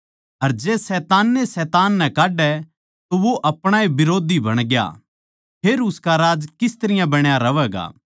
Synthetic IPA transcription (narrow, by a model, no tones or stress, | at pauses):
ɐɾd͡ʒeːsɛːt̪aːnːesɛːt̪aːnːɛ̃kaːɖɛ | t̪oʋoʔɐpɽ̃aebɪɾoːd̪ʱibɐɽ̃ɡja̰ | pʰeːɾʊskaɾaːd͡ʒkɪst̪ɐɾɪjãbɐɽ̃jaɾɐʋɛːɡa̰ː